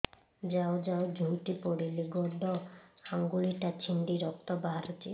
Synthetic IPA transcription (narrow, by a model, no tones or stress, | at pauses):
d͡ʑaod͡ʑaod͡ʑʱuʈipɔɽiliɡɔɖʱɔaŋɡuliʈat͡ɕʰiɳɖiɾɔk̚t̪ɔbaɦaɾot͡ʃi